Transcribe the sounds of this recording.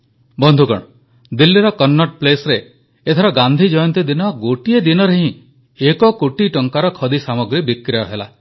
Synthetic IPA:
bɔnd̪ʱukɔ̰ɽ̃ | d̪ilːiɾɔkɔnːɔʈplesɔɾeː | t̪ʰɔɾɔɡand̪ʱid͡ʒɔjɔnt̪id̪inɔɡoʈied̪inɔɾeɦĩ | ekɔkoʈiʈɔŋkaɾɔkʰɔd̪isamɔɡɾibikɾejɔɦela̰

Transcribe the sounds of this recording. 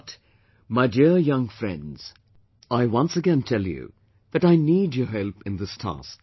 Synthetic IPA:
t | maɪdiɹjʌ̃ŋfɹɛ̰̃ndz̥ | aɪwʌ̃nsəɡɛ̃ntʰɛlˠjṵ | ðɨɾaɪnid͡ʒəɦɛlˠpɨ̃nðɪstʰæ̰sk

